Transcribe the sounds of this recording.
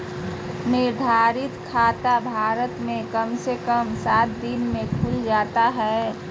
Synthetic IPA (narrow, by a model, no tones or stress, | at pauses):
nɪɾd̪ʱaːɾɪt̪kʰaːt̪abʱaːɾət̪mẽkəmsekəmsaːt̪̚d̪ɪnmẽkʰuld͡ʒaːt̪aɦɛ